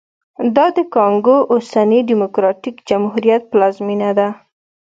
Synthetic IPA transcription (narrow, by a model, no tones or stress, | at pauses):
d̪ɑd̪əkɑŋɡoʔosaniɖimʊkɾɑʈikd͡ʒamhuɾijat̪̚plɑzminad̪a